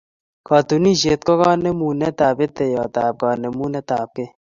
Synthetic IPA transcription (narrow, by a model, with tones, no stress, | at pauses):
kɔː˨t̪u˨ni˦ʃeː˨t̪̚kɔ˦kɔ˦ne˦muː˨nɛ˦t̪aː˨pe˦t̪e˨jɔː˨t̪aː˨p̚kaː˨ne˨mu˦nɛ˦t̪aː˨p̚ke˦